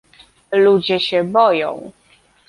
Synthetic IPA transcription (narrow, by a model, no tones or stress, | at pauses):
lud͡ʑɛɕɛbɔjɔ̰̃w̃